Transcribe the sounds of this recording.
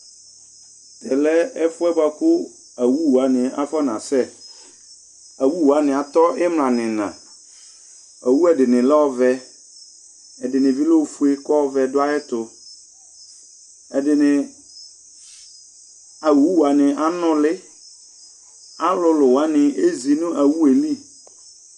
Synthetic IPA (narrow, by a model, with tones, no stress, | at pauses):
t̪ʰɛ˨lɛ˦ɛ˦fʊ˦ɛ˦ba˨kʊ˦ | a˨wu˦wu˨a˨nɪ̃˨a̰˦fɔ˦nã̰˨sɛ˦ | a˨wu˦wu˨a˦nɪ̃˨a˨t̪ɔ˦ʔɪ˦mlã˨nɪ̃˨nã̰˨ | a˨wu˦ɛ˨dɪ˨nɪ̃˨lɛ˦ɔ˦vɛ˦ | ɛ˨dɪ˨nɪ̃˨vi˦lo˦˨fu˦e˦kɔ˦vɛ˨dʊ˦a˦ɛ˦t̪ʊ˨ | ɛ˨dɪ˨nɪ̃˨ | a˨wu˨wu˦wa˨nɪ̃˨ʔa˦nʊ̃˦lɪ˦ | a˦lʊ˨lʊ˨wa˦nɪ˨e˦zi˨nʊ̃˦ʔa˨wu˦e˨li˦